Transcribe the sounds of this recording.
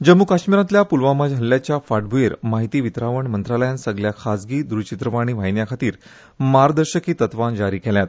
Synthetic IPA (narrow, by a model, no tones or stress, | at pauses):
d͡ʑəmːukaɕmiɾãt̪ljapulʋamad͡ʑɦəlːjat͡ɕjafaʈbʱueɾmaɦit̪iːʋit̪ɾaʋəɳmənt̪ɾaləjãnsəɡljakʰasɡiːd̪ɾut͡ɕit̪ɾəʋaɽ̃iːʋajnjakʰat̪iːɾ | maɾd̪əɾɕəkiːt̪ət̪ʋand͡ʑaɾiːkɛljat̪